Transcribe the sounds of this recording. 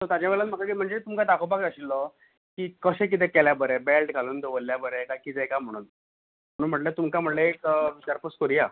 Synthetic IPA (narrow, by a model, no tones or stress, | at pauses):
t̪ət̪jad͡ʑjaʋɛɭat̪m̤əkakim̤əɳd͡zet̪umkad̪akʰobakəɕilːɔ | kiːkəɕẽk̬it̪̬ɛkɛljabəɾɛbelʈɡʱaluːnd̪oʋəlːjabəɾɛkakid͡zɛkam̤əɽ̃uːn | m̤əɽ̃uːnm̤əʈlet̪umkam̤əʈlekʋit͡ɕaɾpəskəɾija